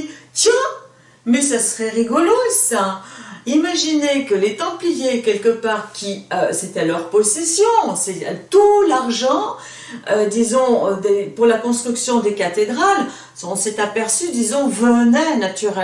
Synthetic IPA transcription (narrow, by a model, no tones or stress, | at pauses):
t̪jɛ̃ | mɛsasəʁɛʁiɡɔlosaimaʒinekəlet̪ɑ̃plijekʲɛlkəpaːʁkʲiøset̪ɛlœʁpɔsɛsjɔ̃sɛ̰t̪ulaʁʒɑ̃ | ød̪izɔ̃ød̪epuʁlakɔ̃st̪χyksjɔ̃d̪ekat̪ed̪ʁal | ɔ̃sɛt̪apɛʁsyd̪izɔ̃vənɛnat̪yʁɛ